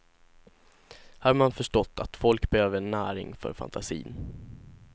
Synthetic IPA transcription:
haɾmanfœʂʈɔt̪ːat̪fɔlkbɛhøːvəɳæːɾɪ̰ŋfœ̰ɾfa̰nt̪ʰasḭːn

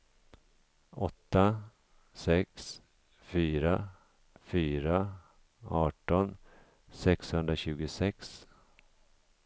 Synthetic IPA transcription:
ɔt̪ːa | sɛks | fyːɾa | fyːɾa | ɑːʈɔn | sɛkshɵnd̪ɾaɕʉ̟ːɡʊsɛks

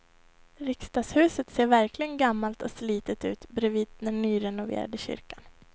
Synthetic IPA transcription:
ɾɪkst̪ɑːshʉ̟ːsət̪seːɾvæɾklɪɡənɡamːalt̪ɔsliːt̪ət̪ʉ̟ːt̪bɾeviːd̪d̪ɛnːyːɾɛnʊvḛːɾa̰d̪əɕʏ̰ɾkan

